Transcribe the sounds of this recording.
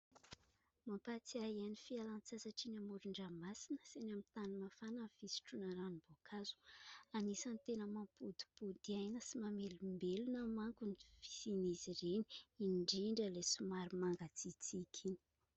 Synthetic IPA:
mampat͡siaianifialant͡sasaʈ͡ʂinamuɾuɳɖ͡ʐamasinə̥senamit̪animafanəvisi̥ʈ͡ʂunəɾanibokʰazu̥anisanit̪enəmampud̪i̥pud̪iajnəsimamelumbelunəmaŋkunifi̥siniziɾeni̥iɳɖ͡ʐiɳɖ͡ʐəlesumaɾimaŋɡat͡sit͡sikʰini̥

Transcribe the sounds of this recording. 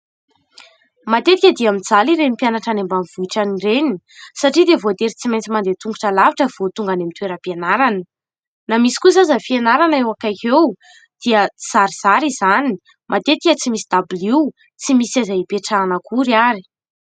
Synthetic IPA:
mat̪et̪ikʲəd̪iamind͡zaliɾemipianaʈ͡ʂanembamvuiʈ͡ʂanireni | saʈ͡ʂid̪evot̪eɾit͡simajnt͡simand̪et̪uŋɡuʈ͡ʂəlaviʈ͡ʂəv̥ot̪uŋɡanemint̪weɾəpianaɾanə | namisi̥kuzazəfienaɾanəewakakew | d̪̥iəiz̥aɾiz̥aɾizani | mʔat̪et̪ikʲət͡simisid̪abiliw | t͡simisazaipeʈ͡ʂaːnəkuɾaɾi̥

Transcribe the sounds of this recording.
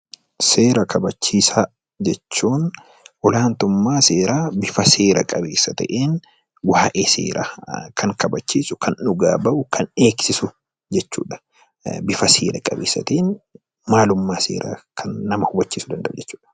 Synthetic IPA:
se̞ːɾɐkʰɐbɐt͡ʃːiːsaː | d͡ʒɛt͡ʃːuːn | ɔlaːnt̪ʊmːaːse̞ːɾaːbɪfɐse̞ːɾɐ̰kʼɐbe̞̰ːsːɐt̪ɐ̰ʔeːn | waːʔeːsḛːɾʔa̰kʰɐŋkɐbɐt͡ʃːiːsʊkʰɐnʊɡaːbɐʔʊkʰɐne̞ːksɪsʊ | d͡ʒɛt͡ʃːṵːᶑɐ̥ | bɪfɐsḛːɾɐkʼɐbeːsːɐ̰t̪eːn | maːlʊmːaːsḛːɾʔa̰ːkʰɐnːɐmɐhʊbɐt͡ʃːiːsʊd̪ɐnd̪ɐʔʊd͡ʒɛt͡ʃːu̥ːᶑɐ̥

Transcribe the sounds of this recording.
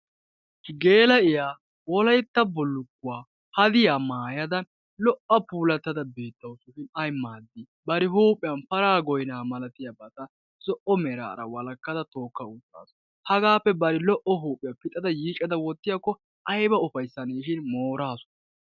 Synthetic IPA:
ɡe̞ːlɐɪjaː | wɔlɐjt̪ːɐbɔlːʊkːʊwaː | hɐd̪ɪjaːmaːjɐd̪ɐn | lɔʔɐpuːlɐt̪ːɐd̪ɐbe̞ːt̪ːɐwsʊʃɪnɐjmaːd̪ːɪ | bɐɾɪɦuːpʼɪjɐnfɐɾaːɡɔjnaːmɐlɐt̪ɪjɐbɐt̪ɐ | zɔʔɔmɛɾa̰ːɾɐ̰wɐlɐkːɐd̪ɐt̪o̞ːkːɐut͡sʼːa̰ːsɔ | hɐɡaːpːɛbɐɾɪlɔʔɔɦuːpʼɪjɐpɪt̪ʼɐd̪ɐjiːt͡ʃʼːɐd̪ɐwɔt̪ːɪjakːɔ | ʔɐjbɐʊfɐjsːɐneːʃɪnmoːɾaːsɔ̥n

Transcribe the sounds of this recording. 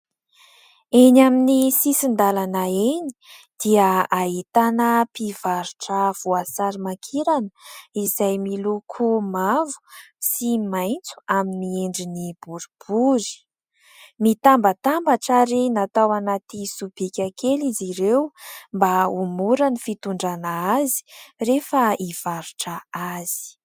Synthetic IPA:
enaminisisind̪alanaeni̥ | d̪̥iəaɦit̪anəpivaɾuʈ͡ʂəv̥uasaɾimakʰiɾanəizajmilukʰumavu̥simajnt͡su̥aminieɳɖ͡ʐinib̥uɾub̥uɾi̥ | mit̪ambət̪ambaʈ͡ʂaɾinat̪awanat̪isub̥ikʲakeliziɾewmbaumuɾanifit̪uɳɖ͡ʐanaazi̥refəiv̥aɾuʈ͡ʂəaz̥i̥

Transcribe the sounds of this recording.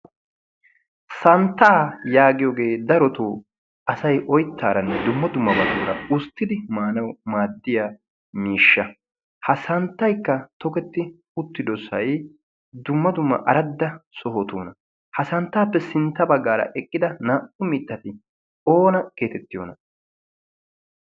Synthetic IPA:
sɐnt̪ːaːjaːɡɪjoːɡe̞ːd̪ɐɾɔt̪uː | ɐsɐjʔɔjt̪ːaːɾɐnd̪ʊmːɐd̪ʊmːɐbɐd̪uːɾɐ̰ʊst̪ːɪd̪ɪmaːnɐwmaːd̪ːɪjaː | miːʃːɐ | hɐsɐnt̪ːɐjkːɐt̪ɔkɛt̪ːɪ | ʊt̪ːɪd̪ɔsɐj | d̪ʊmːɐd̪ʊmːɐ̰ʔɐɾɐd̪ːɐsɔɦɔt̪oːnɐ | hɐsɐnt̪ːaːpːɛsɪnt̪ːɐbɐɡːaːɾɐ̰ʔɛkʼːɪd̪ɐnaːʔʊmɪt̪ːɐt̪ɪ | o̞ːnɐke̞ːt̪ɛt̪ːɪjo̰ːnɐ

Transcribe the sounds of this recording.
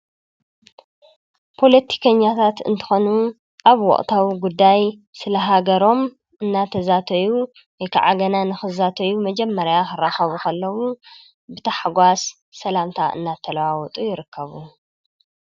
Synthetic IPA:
pʰo̞lɐt̪ʰi̥kʰɐɲːat̪ʰat̪ɨ̰nt̪ʰɨ̥xo̞nu | ʔaβwɔ̰ʔʼt̪ʰawiɡud̪ːajsɨlɐɦaɡɐɾo̞m | ɨnːat̪ʰːɐzat̪ʰɐju | wɔjkʰa̰ʕaɡɐnanɨxɨzat̪ʰɐjumɐd͡ʒɛmːɐɾjaxɨraxɐβukʰɐlːɐwu | bɨt̪ʰɐħɡʷasː | ɐlamt̪ʰaʔɨ̰nːat̪ʰːɐlɐwawɔt̪ʼujɪɾɨkʰːɐβu

